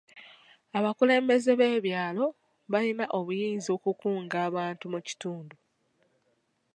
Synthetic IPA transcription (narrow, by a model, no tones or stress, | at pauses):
aβakule̞ːmbe̞ze̞βe̞ːβjaːlo̞ | βalinaʔo̞βujiːnzio̞ːkukuːŋɡaːβaːntumuci̥tuːndu